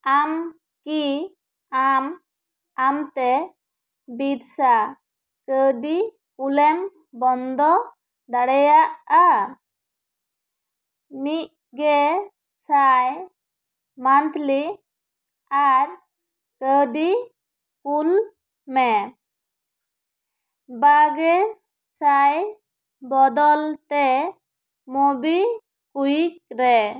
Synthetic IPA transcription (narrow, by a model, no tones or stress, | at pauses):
am | ki | am | amt̪ɛ | biɾsa | kəɖi | kulɛm | bɔnd̪ɔ | d̪aɽɛjaʔa | mit̪̚ | ɡɛ | saj | mant̪li | aɾ | kəɖi | kul | mɛ | baɡɛ | saj | bɔd̪ɔlt̪ɛ | mobi | kujik̚ɾɛ